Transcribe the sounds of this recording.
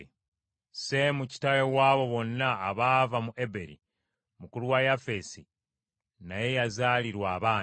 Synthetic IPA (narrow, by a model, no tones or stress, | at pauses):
se̞muci̥tajowaːβo̞βo̞nːaːβavamuʔe̞be̞ɾḭ | mukuluwajafe̞si | naje̞jazaːliɾwaːβaː